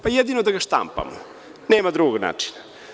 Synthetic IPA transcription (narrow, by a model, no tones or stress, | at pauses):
pajɛd̪inod̪aɡaʃt̪a̰mpa̰mo | nɛːmad̪ɾuɡna̰ːt͡ʂi̥na